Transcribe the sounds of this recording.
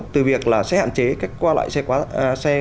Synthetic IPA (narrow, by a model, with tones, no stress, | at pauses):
t̪ɨ˨˩vi˨˩ək̚laː˨˩sɛ̰˧˥ha̰ː˧˨nt͡ɕe˨˦kaː˦˥jk̚kwaː˧la̰ː˧˨jsɛ˧kwaː˨˦sɛ˧